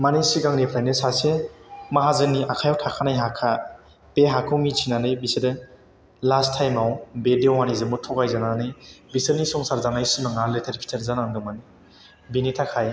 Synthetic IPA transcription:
manisiɡaŋnipʰlajnɯsasemaɦazɯniakʰajawtʰakʰanajɦakʰa | peɦakʰɯwmit͡ʃʰinanɯjbisɯdɯ | lastʰajmawbedjwanizɯmutʰɔkajzananɯjbisɯnisɔŋsaɾzanajsɯmaŋaletʰeɾkʰi̥tʰeɾzanaŋdɔmani | binitʰakʰaj

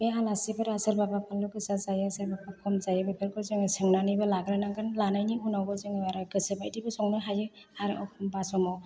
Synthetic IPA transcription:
ealasibɯɾaselbabapʰalːuɡɯsazajɯaselbapakʰɔmzajɯbepʰeɾkɔɾzɯŋɯsɯŋnanibalaɡɾanaŋɡanlanajnihunawɡɔzɯŋɯaɾaɡɯsɯbajdibɯsɔŋnɯɦajɯ | aɾʔɔkʰɔmbasɔmɔ

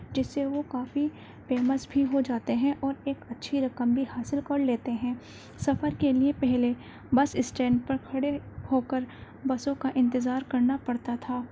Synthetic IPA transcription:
d͡ʒɪsːeʋokaːfi | feːməsbʱiɦod͡ʒaːt̪eɦɛ̃ʔɔːɾeːkɐtːʃʰiɾɐkəmbʱihaːsɪlkɐɾleːt̪eɦɛ̃ː | sɐfəɾkeliepɛɦle | bɐsɪsʈɛ̃ːɳɖpɐɾkʰɐɽehoːkəɾ | bɐsõkaʔɪ̃nt̪ɪzaːɾkɐɾnapɐɽt̪at̪ʰaː

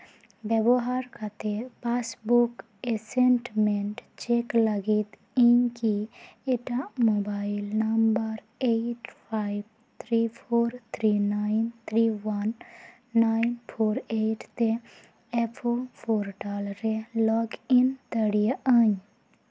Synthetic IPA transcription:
bjɛboɦaɾkat̪epaːsbuk | esenʈmeɳʈt͡ʃekləɡit̪ | iɲkieʈamobaːilnɐmbəɾ | eʈpʰaib | t̪ʰɾipʰoːɾt̪ʰɾinaint̪ʰɾiʋanː | ainpʰoːɾeʈʰt̪e | epʰopʰoːɾʈalɾelɔːɡint̪əɽijaʔəɲ

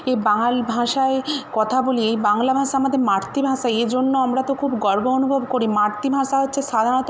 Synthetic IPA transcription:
ebaŋalbʱãʃaekɔt̪ʰaboliejbaŋlabʱãʃaamad̪ʱeɾmaɾt̪ibʱãʃaed͡ʑonːoamɾat̪okʰubɡɔɾboonubʱobkoɾimaɾt̪ibʱãʃaɦotːɕʰeʃad̪ʱanɔt̪

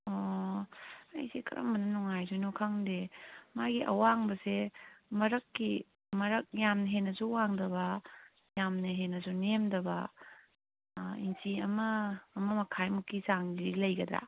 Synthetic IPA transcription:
o | ɐ̰jsekʰɐ̰ɾɐ̰mbɐnɐnuŋajsunukʰaŋdemaɡiʔɐ̰waŋbɐsemɐɾɐkːi | mɐɾɐk̚jamnɐɦenːɐsuwaŋdɐbɐ | jamnɐɦenːɐsunemdɐbɐ | insiɐmɐːmɐmɐkʰajmukːisaŋdilɐjɡɐd̪ɾa̰

